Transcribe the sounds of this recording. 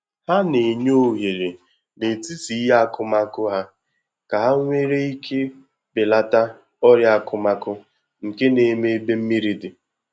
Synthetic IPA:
ha˦ne˨ɲo˦ɦe˨ɾe˨ | ne˨ti˦si˨˦ja˦kʊ˦ma˦kʊ˦ɦa˦ | ka˨ɦa˦ŋʷe˦ɾe˦i˦kʰe˦ | bɪ˨la˦ta˦ | ɔ˦ɾja˦kʰʊ˦ma˦kʊ˦ | ŋ̩˨ke˦ne˨me˦be˦m̩˦mi˦ɾi˨dɪ˨

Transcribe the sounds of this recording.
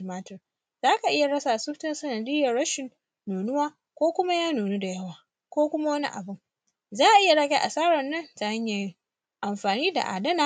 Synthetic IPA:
maː˦tɪ˨r | zaː˦ka˨ʔɪ˦ja˨ɽɐ˦saː˨sʊ˦ɸtɐ˦nsɐ˨nɐ˨dɪ˦jɐ˨rɽɐ˦ʃɪ˨nː | uː˨nʊ˦waː˦ | kʷoː˦kʷʊ˦ma˦jaː˦nuː˨nu˦da˨jɐ˦waː˨ | kʷoː˦kʷʊ˦ma˦wɐ˦nḭ˦ʔa̰˨bʊ˦˨ŋ | zaː˦ʔa˨ʔɪ˦ja˨ɽɐ˦ɡʲe˦ʔa˨saː˦ɽɐ˨nːɐ˦nta˨a˦ɲja˨˦˨ | ʔa˨mɸaː˨niː˦da̰˨ʔa̰ː˨dɐ˦naː˦˨

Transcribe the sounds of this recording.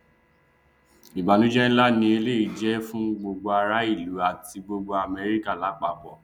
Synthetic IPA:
i˨ba˨nũ˦d͡ʒɛ˦la˦nĩ˧e˧le˦i˨d͡ʒɛ˦fũ˦ɡ͡bo˧ɡ͡bo˧a˧ɾa˦i˦˨lu˨˦a˨ti˧ɡ͡bo˧ɡ͡bo˧a˨mɛ˧ɾi˦ka˦˨la˨˦k͡pa˦˨bɔ˨

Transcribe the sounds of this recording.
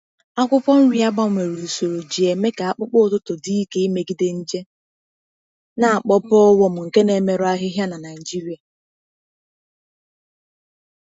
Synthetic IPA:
a˦kʷʊ˦pɔ˦n̩˦ɾi˦a˦ɡ͡ba˦˨mʷe˨ɾu˨so˨ɾo˨d͡ʒi˨e˨me˦ka˨a˦k͡pʊ˦k͡pʊ˦˨tʊ˦tʊ˨di˦i˦ke˦i˦me˨ɡi˦de˦n̩˦d͡ʒe˦ | na˨a˨k͡pɔ˦pɔ˦ɔ˦wɔ˦mʊ˨ŋ̩˨ke˦ne˨me˨ɾʊ˦a˦ɦɪ˦ɦja˦na˨na˨ɪ˨d͡ʒi˦ɾi˨a˨

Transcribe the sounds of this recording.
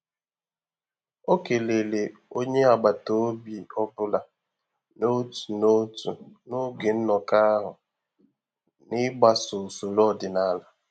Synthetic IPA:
o˦ke˨le˨le˨o˦ɲe˦a˨ɡ͡ba˨to˦bi˨ɔ˦bʊ˦la˨ | no˦tu̥˨no˦tu˨no˦ɡe˨n̩˦nɔ˨ka˦ɦʊ˨ | nɪ˦ɡ͡ba˨sʊ˨su˨lɔ˦˨dɪ˨na˦la˨

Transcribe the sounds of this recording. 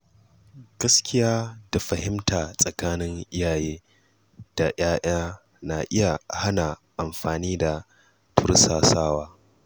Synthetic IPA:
ɡ̥ɐ˦skʲɪ˦jaː˦da˨ɸɐ˨hɪ˦mtaː˨sʼɐ˨kaː˦nɪ˦ŋʔɪ˦jaː˨jeː˦ | d̥a˨j̰aː˦ʔaː˦ | na˨ʔɪ˦ja˨ha˦na˨ʔa˨mɸaː˨niː˦da˨ | tʊ˦ɾsaː˨saː˦waː˦

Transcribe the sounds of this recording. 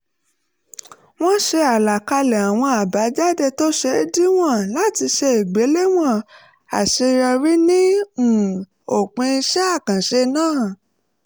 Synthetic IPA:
w̃ɔ̃˦ʃe˧a˨la˨ka˧lɛ˨a˨w̃ɔ̃˧a˨ba˨˦d͡ʒa˦dɛ˦˨to˦ʃe˦˧˦di˦w̃ɔ̃˦˨la˨˦ti˧ʃe˧e˨ɡ͡be˨˦le˦w̃ɔ̃˦˨ | a̰˨ʃe˧ɾa˧ɾi˦nĩ˦ũ˨ | o˨k͡pẽ˧i˧ʃɛ˦a˦˨kã˨ʃe˧nãː˦˨

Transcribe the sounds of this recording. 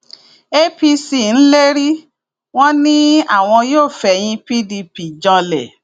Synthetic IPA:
e˦pi˧si˨n̩˦le˦ɾi˦ | w̃ɔ̃˦nĩ˦a̰˦˨w̃ɔ̃˧joː˦˨fɛ˧˨j̃ĩ˧pi˦di˧pi˨d͡ʒã˧lɛ̰˨

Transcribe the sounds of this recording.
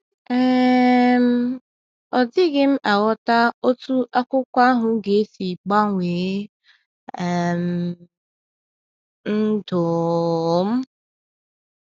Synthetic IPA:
e˨m̩˦ | ɔ˨dɪ˦ɡɪ˦m̩˦ʔa˨wɔ˦ta˦o˦tu˦ʔa˦kʷʊ˦kʷa˦ɦʊ˨ɡe˨˦si˨k͡pa˦ŋʷe˨˦ | e˨m̩˨ | n̩˦dʊ˨˦ | m̩˦

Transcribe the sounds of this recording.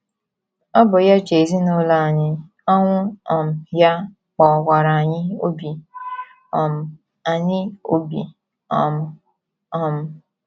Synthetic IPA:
ɔ˦bʊ˨ja˦t͡ʃe˨zi˦nʊ˦la˦a˨ɲɪ˦ | ɔ˦ŋʷʊ˦ɔ˨m̩˨ja˦ | k͡pɔ˨kʷa˨ɾa˨a˨ɲɪ˦o˦bi˨ | ɔ˨m̩˨ | a˨ɲɪ˦o̰˦bi˨ | ɔ˨m˨ | ɔ˦˨m̩˨

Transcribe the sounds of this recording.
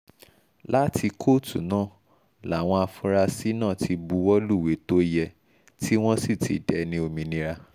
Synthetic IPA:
la˦tʰi˧kʰo˦˨tṵ˨nãː˦˨ | la˨w̃ɔ̃˧a˧fũ˧ɾa˧si˦nãː˦˨tʰi˧bu˧wɔ˦lu˦˨we˨˦to˦jɛ˧ | ti˦w̃ɔ̃˦si˦˨tḭ˨dɛ˨˦nĩ˦o˧mĩ˧nĩ˧ɾa˧

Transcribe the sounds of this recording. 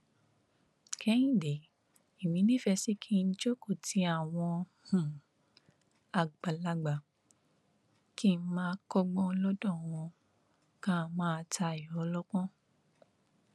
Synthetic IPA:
kʰɛ˦j̃ĩ˦˨de˨˦ | i˨mĩ˨˦nĩ˦fɛ˧si˦kʰi˦˧n̩˦d͡ʒo˦ko˦˨tʰi˨˧˦a˦˨w̃ɔ̃˧ | hũ˨ | a˨ɡ͡ba˨la˧ɡ͡ba˨ | ki˦˨n̩˦mãː˦kɔ˦ɡ͡bɔ̃˦lɔ˦dɔ̃˦˨w̃ɔ̃˧ | kã˦˧˦mãː˦˧tʰa˧˨jɔ˨˦lɔ˦kɔ̃˦

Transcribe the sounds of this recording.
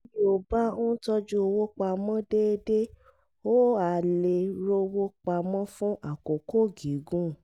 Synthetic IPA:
i˦o˨ba˦õ˦tɔ˧d͡ʒu˦o˧wo˦k͡pa˧mɔ̃˦de˦˧de˦ | o˦a˨le˧ɾo˦wo˦k͡pa˧mɔ̃˦fũ˦ʔa˨ko˨ko˦˨ɡi˨˦ɡũ˦

